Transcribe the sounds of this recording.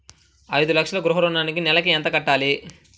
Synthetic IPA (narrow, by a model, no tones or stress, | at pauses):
ɐjd̪ulɐkʂɐlɐɡɾuɦɐɾonaːnikinɛlɐkiɛnt̪ɐkɐʈːaːli